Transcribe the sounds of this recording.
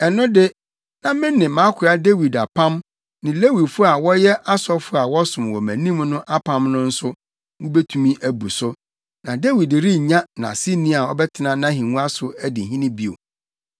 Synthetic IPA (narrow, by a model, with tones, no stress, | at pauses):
ɛ˨nʊ̃˦dɪ˦ | nã˦mɪ̃˦nːɪ̃˨mã˨˦kʰʊ˨ɾa˦de˦wi˨da˨pʰã˦m | nɪ̃˨le˦wi˨dfʊ˦a˨wɔ˦jɛ˦ʔa˦sɔ˦fʊ˦a˨wɔ˦sʊ̃˨m˨wɔ˨mæ̰̃˨nĩ˦mnʊ̃˦ʔa˦pʰã˦mnʊ̃˦n̩˦sʊ˦ | wʊ̃˦bɛ˦tʰũ˨mĩ˦ʔæ˨bu˨sʊ˦ | nã˨de˦wi˨dɾi˦ɲã˦nã̰˨si˦nĩ˦a˨ɔ˦bɛ˦tʰɪ˨nã˦nã˦ɦĩ˨ŋũ˦a˦sʊ˨æ˦dɪ˨ɦĩ˦nɪ̃˦bi˦o̰˨